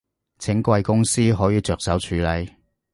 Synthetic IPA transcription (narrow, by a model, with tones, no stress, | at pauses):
t͡sʰɪ˨˥ŋkʷwɐ˧jkʊ˥ŋsiː˥ɦɔː˨˥jiː˨˧t͡ʃœː˨k̚sɐ˨˥wt͡ʃʰyː˨˥lɐ˨˩j